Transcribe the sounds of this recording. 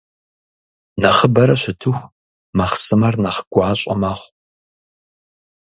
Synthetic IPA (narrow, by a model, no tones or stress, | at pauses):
nɐχəbɐɾɐɕɪtʰɨxʷ | mɐχsɨmɐrnɐχɡ̥ʷʊʕaɕʼɐ̰maːʁʷ